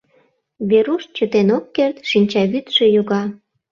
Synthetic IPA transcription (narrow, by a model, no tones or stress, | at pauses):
βeɾuʃt͡ɕət̪enokːert̪ʃinʲt͡ɕɑβyt̪ʃejuɣɑ